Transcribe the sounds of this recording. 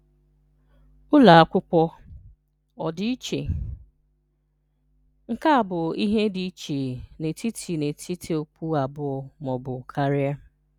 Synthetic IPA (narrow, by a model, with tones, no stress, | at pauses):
ʊ˦la˨a˦kʷʊ˦k͡pʷɔ˦ | ɔ˨dɪ˦i˦t͡ʃe˨ | ŋ̩˦ka˦a˨bʊ˨i˦ɦe˦di˨i˦t͡ʃe˨ne˨ti˦tʰi˨ne˨tʰi˦tʰi˨o˨pu˦a˨bʊ˦ɔ˨mɔ˨bʊ˨kʰa˦ɾɪ˦a˦